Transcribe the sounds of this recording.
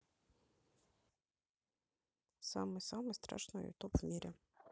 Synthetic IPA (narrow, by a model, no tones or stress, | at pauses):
sɑmɛsɑmɛst̪ɾɑ̰ʃnɔ̰jʊ̰t̪ɔpmʲiɾʲi